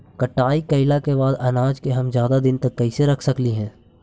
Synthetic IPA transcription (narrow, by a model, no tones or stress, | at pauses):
kɐʈaːikɐɪlakebaːd̪ɐnaːd͡ʒkeɦɐmzjaːd̪ad̪ɪnt̪ɐkːɐiseɾɐkʰsɐkliɦɛ̃ː